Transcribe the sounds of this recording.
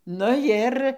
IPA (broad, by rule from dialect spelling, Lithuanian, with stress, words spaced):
nʊ ˈjɪr